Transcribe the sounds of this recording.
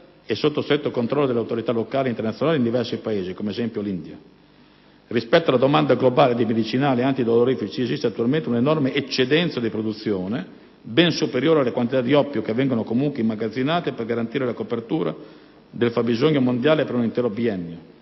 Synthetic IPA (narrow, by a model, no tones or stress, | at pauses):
esːot̪ːost̪ɾet̪ːokont̪ɾɔlːod̪elːawt̪oɾit̪alokaːleint̪ernat̪sjnaːleind̪ivɛrsipaeːzikomeezɛmpjolind̪ja̰ | rispɛt̪ːoalad̪omand̪aɡlobaːled̪imed̪it͡ʃinaːleant̪id̪oloɾifit͡ʃiezist̪eat̪ːualment̪eunenɔrmeʔet͡ʃːed̪ɛnt̪sad̪ipɾod̪ut̪sːjoːne | bɛnsupeɾjoːɾealːekwant̪it̪ad̪iɔpːjokeavːɛŋɡonokomuŋkweimːaɡad̪zːinaːt̪eperɡaɾant̪iːɾelakopert̪uːɾa̰ | d̪elfabizoɲːomond̪jaːlepeɾunint̪ɛːɾobiɛnːjo